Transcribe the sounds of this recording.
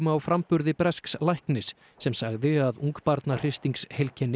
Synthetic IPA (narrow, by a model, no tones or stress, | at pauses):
mawfɾampʏɾðɪpɾɛskslajhknɪsː | ɛmsaɣðɪaðuŋkpaɾt̪nar̥ɪst̪iŋkshejlcʰɛnːɪ